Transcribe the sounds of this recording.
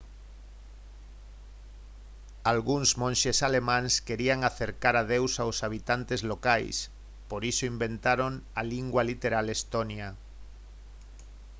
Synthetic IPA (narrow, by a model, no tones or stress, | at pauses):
alɣuŋzmõnʲʃesalemãŋskeɾiaŋaθeɾkaɾað̞ewsawsaβ̞it̪ant̪ezlokajs | poɾisoimbẽnt̪aɾoŋaliŋɡwalit̪eɾalest̪onja